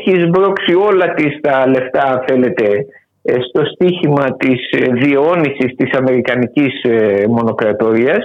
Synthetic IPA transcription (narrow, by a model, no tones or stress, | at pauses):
çizbɾo̞ksio̞lɐt̪ist̪ɐle̞ft̪ɐɐnθe̞le̞t̪e̞ | st̪o̞st̪içimɐt̪isðio̞nisist̪isɐme̞ɾikɐnicizmo̞no̞kɾɐt̪o̞ɾiɐs